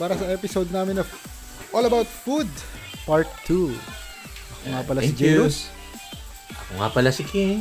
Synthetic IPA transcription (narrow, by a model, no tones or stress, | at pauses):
paːɾɐsɐʔɛpɪsod̪̚naːmɪnɐ | ʔolɐbawt̪fud̪ | paɹt̪ʰːu | ʔɐkoŋaːpɐlɐɪd͡ʒɛos | ʔɐkoŋa̰pɐlasɪkʰɛ